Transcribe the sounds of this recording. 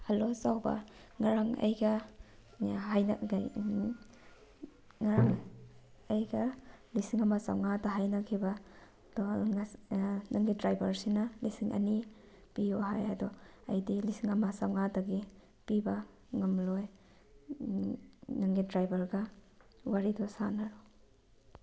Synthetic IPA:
halosawbɐ̰ŋaɾaŋɐ̰jɡɐ | hajn̰ɡj | ŋaɾaŋ | ɐjɡɐlisiŋɐmasa̰wŋadɐɦajnɐkʰibɐ | dɔ | naŋɡidɾajbɐɾsinɐlisiŋʔɐ̰ni | pijɔɦajadɔɐ̰jdilisiŋɐmasawŋadɐɡi | pibɐ | ŋɐmloj | naŋɡidɾajbɐɾɡɐ | waɾidɔsanaɾu

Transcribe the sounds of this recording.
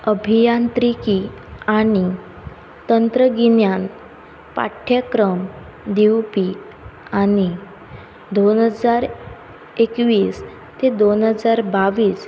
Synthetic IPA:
əbʱijant̪ɾiki | aɽ̃i | t̪ənt̪ɾəɡinjan | pa̰ʈʰːjəkɾəm | d̪iwpi | aɽ̃i | d̪onɦəd͡zaɾ | ekʋiːs | t̪ed̪onɦəd͡zaɾbaʋiːs

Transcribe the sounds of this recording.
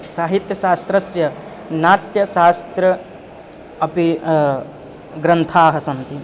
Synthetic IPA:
saːɦit̪jɐʃaːst̪ɾɐsjɐ | naːt̪jɐʃaːst̪ɾɐ | ɐpi | ɡɾɐnt̪ʰaːɦɐsɐnt̪i

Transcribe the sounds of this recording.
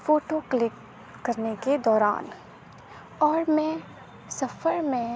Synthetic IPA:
foːʈoklɪkː | ɐɾneked̪ɔːɾa̰ːn | ɔːɾmɛ̃ | sɐfəɾmẽ

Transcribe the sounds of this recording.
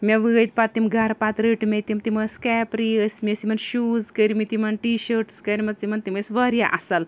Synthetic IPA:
mʲeʋɨəjt̪pat̪ːimɡʱaɾpat̪ɾəʈmʲet̪imt̪iməskɛpɾiəsmiəsimɐnʃuːzkəɾmit̪imɐnʈiɕəɾʈskɐjɾimɐt̪simɐnt̪iməsʋəɾjaʔɐsal

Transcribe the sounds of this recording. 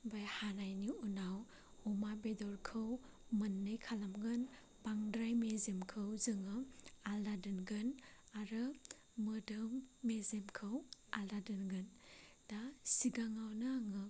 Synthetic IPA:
bajhanajniunaw | ɔmabedɔɾkʰɯw | mɯnːɯjkʰalamɡɯn | baŋdɾajmezemkʰɯwzɯŋɯaldadɯnɡɯn | aɾɯ | mɯdɯmːezemkʰɯwaldadɯnɡɯn | dasiɡaŋawnaŋɯ

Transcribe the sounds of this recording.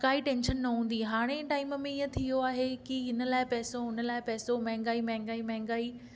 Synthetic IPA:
kaːiʈẽːnʃənːɐɦũːn̆d̪iɦaːɽ̃eʈaːɪmmẽiə̃t̪ʰijoaːɦekiɦɪnə̆laːɪpɛːsoɦʊnə̆laːɪpɛːsomɛ̃ɦɪ̃ŋ̆ɡaːimɛ̃ɦɪ̃ŋɡaːimɛ̃ɦŋɡaːi

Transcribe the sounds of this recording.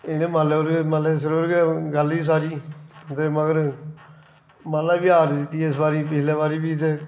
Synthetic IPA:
ɪnẽːmaleoɾeməleːs̬əɾoːɾɡeːɡəliːs̬aːɾiːt̪eːməɡəɾ | maːlaːbiːaːɾd̪ɪt̪ːiːɪsbaːɾiːpɪt͡ʃʰleːbaːɾiːbiːt̪eː

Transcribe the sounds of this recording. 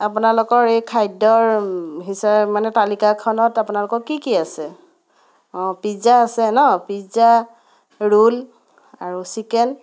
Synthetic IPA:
apunalʊkɔɹejkʰajdɔɹɦisamanɛtalikakʰɔnɔtapunalʊkɔkːikiasɛ | ɔ̃pizaːsɛnɔpiza | ɹul | aɹusikɛn

